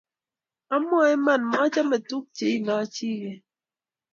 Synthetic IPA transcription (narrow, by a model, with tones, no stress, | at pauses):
a˦mɔ˦˨ɛ˦ma˦˨nma˦t͡ʃa˦me˨tu˦k̚t͡ʃe˨i˦na˨˦t͡ʃi˦ɣe˨